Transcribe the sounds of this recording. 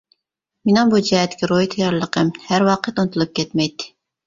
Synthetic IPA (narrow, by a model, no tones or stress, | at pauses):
mɪnɑŋbud͡ʒɛɛt̪ːɪ̥kʲʰiɾojt̪ʰɑjɑɾlˠəqʰəmhæɾwɑːqʰət̪unɨt̪ʰulˠɨp̚kʲɛt̪mɛjt̪ʰːɪ̥